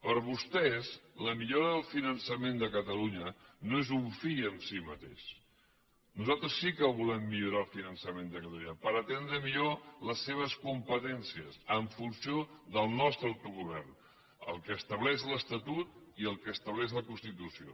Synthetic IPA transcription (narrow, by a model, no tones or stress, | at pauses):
pəɾβust̪ɛzləmiʎoɾəðəlˠfinənsəmend̪əkət̪əluɲənoezuɱfiəɱsimət̪ḛʃ | nuzalˠt̪ɾəsːikəβulɛmːiʎuɾalˠfinənsəmend̪əkət̪əluɲəpəɾət̪end̪ɾəmiʎoləsːeβ̞əskumpət̪ɛnsiəsəɱfunsijoðəlˠnɔst̪ɾəwt̪uɣuβ̞ɛrn | ə̰lˠkəːst̪əβlɛʒləst̪ət̪ut̪̚iəlˠkəst̪əβlɛʒləkunst̪it̪usio̰